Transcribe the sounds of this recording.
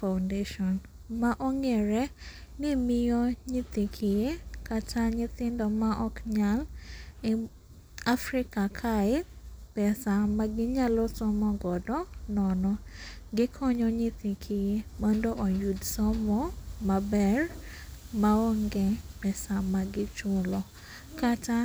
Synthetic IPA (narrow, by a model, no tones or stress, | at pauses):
fawndeʃɔn | maʔɔŋɛɾɛ | nɪmɪjɔɲɪt̪ikʰijekatʰaɲɪt̪ɪndɔmaʔɔkɲal | afɾɪkakʰaɪpɛsamaɡɪɲalɔsɔmɔɡɔdɔnɔnɔɡɪkʰɔɲɔɲɪt̪ikʰɪjemɔndoʔɔjudsɔmɔmabɛr | maɔŋɡɛpɛsamaɡɪt͡ʃʊlɔ | kata